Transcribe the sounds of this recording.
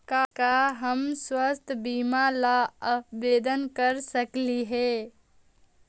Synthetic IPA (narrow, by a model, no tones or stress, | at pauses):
kakaɦəmswəst̪ʰbiːmalaəpʋeːd̪ənkəɾsəkliɦɛː